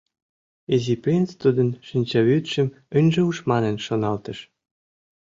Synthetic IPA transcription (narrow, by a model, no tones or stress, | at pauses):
eziprʲint͡st̪ud̪ə̆nʃinʲt͡ɕɑβyt̪ʃə̆m | ənʲʒĕuʃmɑnə̆nʃonɑlt̪ə̆ʃ